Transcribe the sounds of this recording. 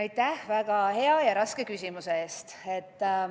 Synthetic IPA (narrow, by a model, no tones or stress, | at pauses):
ɑjt̪ˑæhvæɡ̥ɑhe̞ɑjɑɾɑske̞kysʲimuseeːst̪e̞t̪ːˑ